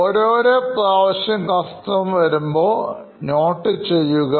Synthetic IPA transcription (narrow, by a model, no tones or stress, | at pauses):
oːɾoːɾepraːʋɐɕjɐmkɐst̪ɐmʋɐɾumbo̞ː | no̞ːʈːɨt͡ɕe̞jːuɣɐ